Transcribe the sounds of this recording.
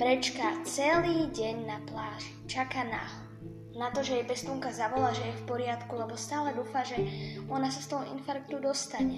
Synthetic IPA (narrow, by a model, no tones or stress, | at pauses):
pɾɛt͡ʃkat͡sɛliːɟɛɲnaplaːʃ | t͡ʃakana̰ɦ | nat̪ɔʒɛjɛbɛst̪uŋkazaʋɔlaːʒɛjɛfpɔɾɪat̪kulɛbɔst̪aːlɛd̪uːfaʒɛɔnasast̪ɔɦɔḭnfaɾk̚t̪ud̪ɔst̪aɲɛ